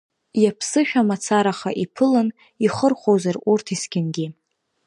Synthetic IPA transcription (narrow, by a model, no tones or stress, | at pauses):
japʰsɨʃᶣamat͡sʰaɾaχaʔipʰɨlɨn | iχərχʷowzarurtʰiskʲɪnɡʲɪ